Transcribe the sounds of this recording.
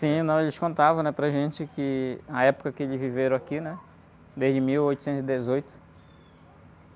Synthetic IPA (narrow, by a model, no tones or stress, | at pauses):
sĩnɐ̃w̃elɪʃkõnt̪avɐ̃nɛpɾɐʒẽt͡ʃɪkɪɐɛpʊ̥kɐkɪelɪzviveɾɐ̃akinɛ | d̪ezd͡ʒɪmiwojt̪ʊsẽnt̪ʊzɪd̪ezojt̪ʊ̥